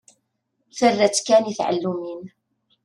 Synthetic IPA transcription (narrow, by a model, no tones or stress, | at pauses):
θərːæt͡sːkæniθʕə̰lːumin